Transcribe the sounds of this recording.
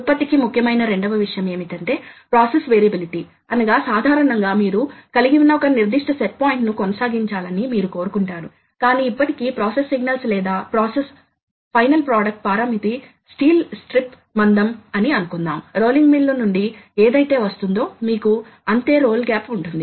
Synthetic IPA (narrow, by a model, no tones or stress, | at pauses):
pːɐt̪ikimukʰːjɐmɐjnɐɾe̞ɳɖɐʋɐʋiʂɐjɐme̞ːmit̪ɐɳʈe̞ːpɾaːsesʋeːɾibiliʈi | ɐnɐɡaːsaːd̪ʱaːɾɐɳɐŋɡaːmiːɾukɐliɡiʋnɐɔkɐniɾd̪iʂʈɐseʈ̚paːjiɳʈnukɔnɐsaːɡiɲt͡ʃaːlɐnimiːɾuko̞ːɾukuɳʈaːɾu | kaːniːpːɐʈikiːpɾaːsesːiɡnɐlslɛːd̪aːpɾaːses | pʰɐjnɐlpɾaːɖɐk̚ʈ̚paːɾamit̪i | sʈiːlsʈɾip | mɐnd̪ɐmɐniɐnukund̪a̰ːmɾo̞ːliŋɡmilːɐnuɳɖieːd̪ɐjt̪e̞ːʋɐst̪und̪o̞ːmiːku | ɐnt̪e̞ːɾo̞ːlɡaːpuɳʈund̪i